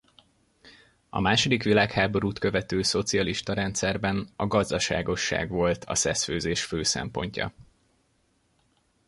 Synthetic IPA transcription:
ɒ̰maːʃo̞d̪ikʋilaːkhaːbo̞ɾuːt̪kø̞vɛt̪øːso̞t̪sijɒliʃt̪ɒɾɛnt̪sɛrbɛnɒɡɒzd̪ɒʃa̰ːɡo̞ʃːa̰ːɡʋo̞lt̪ʰɒ̰sɛsføːzeːʃføːsɛ̰mpo̞̰ɲcɒ̰

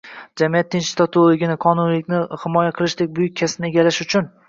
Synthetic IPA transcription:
d͡ʒamijat̪ʰːɪnt͡ʃst̪ʰat̪ʰolˠoɡʲɪnɪqʰɒnʊnlɪkʲnɪhɪmɒjaqʰɨlˠɪʃd̪ek̚ʲbʊjʊk̚ʲʰːasɪnɪe̞ɡʲalaʃʊt͡ʃʰʊn

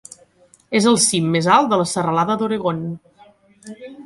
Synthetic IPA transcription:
ezəlˠsimːezalˠd̪ələsərəlaðəðoɾəɣon

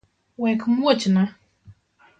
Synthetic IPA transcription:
wɛkʰɨmwot͡ʃɪnã

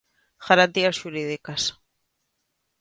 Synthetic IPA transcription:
ɣ̥aɾant̪iasʃuɾiðikas

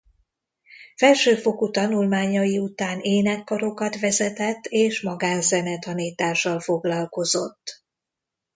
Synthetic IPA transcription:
fɛlʃøːfo̞kut̪ɒnulmaːɲɒjiut̪aːneːnɛkːɒɾo̞kɒt̪vɛzɛt̪ɛt̪ːeːʃmɒɡaːnzɛnɛt̪ɒniːt̪aːʃːɒlfo̞ɡlɒlko̞zo̞t̪ː

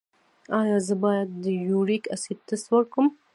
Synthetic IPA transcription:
ɑjɑzəbɑjad̪ːəjuɽikasit̪əst̪wəɾkəm

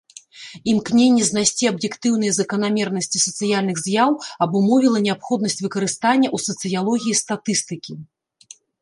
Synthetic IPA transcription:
imknʲenʲːɛznajsʲt͡sʲiɐbjɛkt̪ɨwnɨjɛzɐkɐn̪amʲɛrnɐsʲt͡sʲisɐt̪sɨjalʲnɨɣzʲjawɐbumɔvʲilˠɐnʲɛapxɔd̪̚nɐsʲt͡sʲvɨkɐɾɨst̪anʲːɐʔusɐt̪sɨjalˠɔɣʲijist̪at̪ɨst̪ɨkʲi

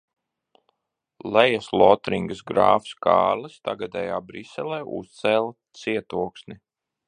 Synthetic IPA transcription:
lɛjaslˠɔt̪ɾiŋɡəsɡɾa̰ːfskɑ̰ːɾlɨst̪aɡad̪ɛ̰ːjaːbɾisɛlˠeːʔṵst̪sɛːlˠat̪siɛt̪uɔksni

